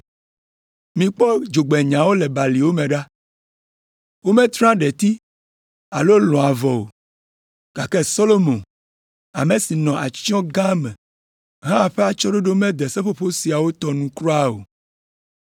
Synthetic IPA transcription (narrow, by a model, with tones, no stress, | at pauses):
mĩ˨k͡pɔ˦d͡ʒo˨ɡ͡bɛ˨ɲã˨wo˦lɛ˨ba˨li˨wo˦mɛ̃˨ɖa˦ | wo˦mɛ̃˦t̪ɾã˦ɖɛ˨t̪i˦ | a˨lo˦lɔ̃˨a˨vɔ˨o̰˨ | ɡ̥a˨kɛ˦so˦lo˦mõ˨ | a̰˨mẽ˨si˨nɔ̃˨ʔa˨t͡ʃɔ̃˦ɡã˦mɛ̃˨ | ɦã˦˨ɸɛ˦a˨t͡ʃɔ˦ɖo˦ɖo˦mɛ̃˦d̪ɛ˨sɛ˦ɸo˦ɸo˦si˨a˨wo˦t̪ɔ˨nũ˨kɾɔ˦a˦o̰˨